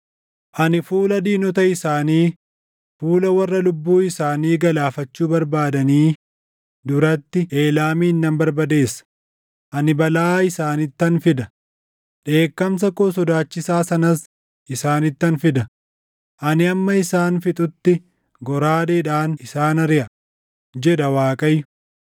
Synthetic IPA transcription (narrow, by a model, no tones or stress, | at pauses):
ʔɐnɪfuːlɐd̪iːnɔt̪ɐɪsaːniː | fuːlɐwɐrːɐlʊbːuːɪsaːniːɡɐlaːfɐt͡ʃːuːbɐɾbaːd̪ɐniː | d̪ʊɾɐt̪ːɪʔe̞ːlaːmiːnːɐmbɐɾbɐd̪e̞ːsːɐ̥ | ʔɐnɪbɐlaːɪsaːnɪt̪ːɐnfɪd̪ɐ | ᶑe̞ːkːɐms̬ɐkoːsɔd̪aːt͡ʃːɪsaːsɐnɐs | ʔɪsaːnɪt̪ːɐnfɪd̪ɐ | ʔɐnɪɐmːɐɪsaːnfɪt̪ʼʊt̪ːɪ | ɡɔɾaːd̪eːᶑaːnɪsaːnɐɾɪʔɐ | d͡ʒɛᶑ̪ɐwaːkʼɐjːʊ̥